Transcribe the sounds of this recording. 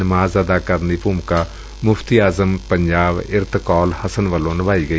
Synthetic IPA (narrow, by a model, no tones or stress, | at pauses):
nɪmaːzəd̪aːkəɾnipuːmka | mʊfʰt̪iːaːzəmpə̃ɲd͡ʒaːbɪɾt̪kɔːlhəsənʋəlõːnɪʋaːiːɡəi